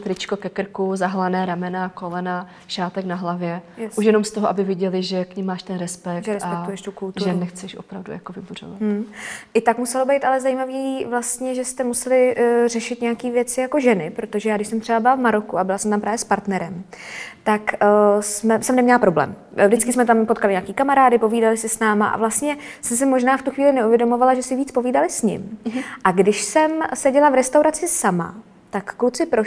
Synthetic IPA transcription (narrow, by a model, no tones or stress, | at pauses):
t̪ɾɪt͡ʃkokɛkr̩kuzaɦlanɛːɾamɛnakolɛna | ʃaːt̪ɛknaɦlavjɛjɛsuʃjɛnomst̪oɦoʔabɪvjɪɟɛlɪʒɛkɲɪmːaːʃt̪ɛnɾɛspɛkʒɛɾɛsapɛk̪ujɛʃt̪ukult̪ʒuɾɛnɛxt͡sɛʃo̰pɾavdṵjakovɪbur̝o̰vat̪ːʔɪt̪akmusɛlobejt̪alɛzajimavivlast̪ɲɛʒɛst̪ɛmusɛlɪr̝ɛʃɪt̪ɲɛakiːvjɛt͡sɪjako̞ʒɛnɪpɾo̞t̪oʒɛjaːɡdɪʃsɛmt̪r̥ɛbabɪlavmaɾo̞kuabɪlasɛmt̪ampɾaːvjɛspaɾt̪nɛɾɛm | t̪aksmɛsɛmnɛmɲɛlapɾo̞blɛ̰ːm | vdɪt͡skɪsmɛt̪ampo̞t̪̚kalɪɲaːkiːkamaɾaːdɪpo̞viːdalɪsɪsnaːma̰ʔa̰vlast̪ɲɛsɛms̬ɪmo̞ʒnaːft̪uxviːlɪnɛʔuvjɛdo̞movalaʒɛsɪviːt͡spo̞viːdalɪsɲɪ̰mʔaɡdɪʃsɛmsɛɟɛlavɾɛst̪awɾat͡sɪsama̰ | t̪akːut͡sɪpɾo